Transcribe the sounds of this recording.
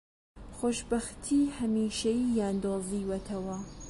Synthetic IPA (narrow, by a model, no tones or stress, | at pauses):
xoːʃbɐxt̪ʰiːhɐmiːʃɐjijaːnd̪oːziwɐt̪ʰɐwɐ